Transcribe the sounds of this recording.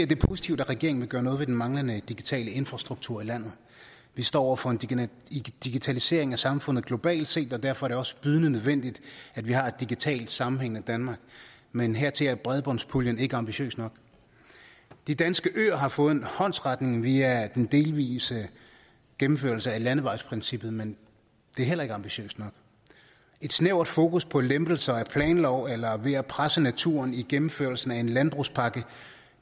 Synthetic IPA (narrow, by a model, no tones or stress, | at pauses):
eɐd̥e̝pʰosi̥t͡sʰiʊd̥æʁɛɡ̥e̝ɐ̰eŋ̩ʋe̝ɡ̥ɶːɐnɔðˠʋe̝d̥enmɑ̈ŋlənəd̥iɡ̥it͡sʰɛ̰ːləe̝nfʁɑ̈sd̥ʁuɡ̥̚t͡sʰuɐ̰ilæn̰ð̞̩ˠ | ʋisd̥ɒ̰ːɒ̰ʊ̰ɐfɒ̽en | d̥iɡ̥it͡sʰælise̝̰ɐe̝ŋæsɑ̈mfɔ̽n̰ð̩ˠɡ̥lo̝b̥ɛ̰ːld̥se̝̰ːd̥ɒ̽d̥æɐ̰fɒ̽æɐɾ̥eɒ̽sə̥b̥yð̞ˠnənøð̞ˠʋen̰d̥id̥ædʋihɑ̈e̝d̥iɡ̥it͡sʰɛ̰ːl̥sɑ̈mm̩heŋ̰n̩æd̥ænmɑ̈ːɡ̥ | menɦeɐ̰t͡sʰe̝læɐb̥ʁɛðˠb̥ɒ̽nspʰuljəne̝ɡ̥əɑ̈mb̥iɕø̰ːsnɒ̽ɡ̥ | d̥id̥ænsɡ̥əʔø̰ːɐɦɑ̈fɔ̽ːð̩ˠenhɒ̽n̰sʁɑ̈d̥ne̝ŋʋiæd̥end̥e̝ːlʋḭːsə | ɡ̥emm̩føɐlsəælænəʋɑ̈ɪspʰʁinsib̥ð̞̩ˠmen | d̥e̝æɐɦelɐe̝ɡ̥əɑ̈mb̥iɕø̰ːsd̥nɒ̽ɡ̥ | e̝d̥sneʊ̰d̥fo̝ːkʰuspʰɒ̽lemb̥l̩sɐæpʰlɛ̰ːnlɒʊ̰elɐʋe̝æpʰʁasənæt͡sʰṵːɐniɡ̥emm̩føɐlsn̩æe̝nlænb̥ʁuspʰɑ̈ɡ̥ə